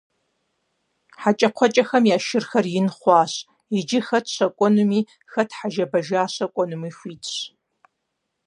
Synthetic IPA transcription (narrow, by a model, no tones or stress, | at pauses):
ħat͡ʃʼɐqʷʰɔt͡ʃʼɐxɐmjaːʃɪrxɐrjɪnχʷɑːɕ | id͡ʒɪxɐtʰɕɐkʷʼonumiː | xɐtʰħaʒɐbɐʒaːɕɐkʷʼɔnumiːxʷiːtʰʼɕ